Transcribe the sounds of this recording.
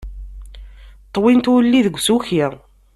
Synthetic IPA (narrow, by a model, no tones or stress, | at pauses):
t̪ˤːwint̪ʊlːiðəɡʷːsuçiʁ